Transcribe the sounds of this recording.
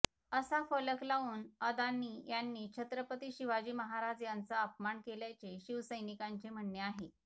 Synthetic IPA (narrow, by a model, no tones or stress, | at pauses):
əsafələklaʋuːnəd̪anːiːjanːiːt͡ɕʰət̪ɾəpət̪iːɕiʋad͡ʑiːməɦaɾad͡zjant͡saəp̚maɳkeljat͡seɕiʋsəjnikaɲt͡sem̤əɳːeaɦe